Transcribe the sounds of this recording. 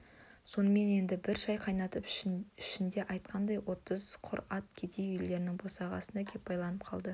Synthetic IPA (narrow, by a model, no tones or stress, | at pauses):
so̞nəme̞ne̞nd̪ɪbɪɾʒɑjqʰɑjnɑt̪əpɪʃɪnd̪e̞ʔɑjt̪̚qʰɑnd̪ɑjwo̞t̪əzqʰʊɾɑt̪̚kʲʰe̞d̪e̞jʏjld̪e̞ɾɪnɪŋbo̞sɑʁɑ̰sənd̪ɑkʲʰe̞p̚bɑjlˠɑnəp̚qʰɑlˠd̪ə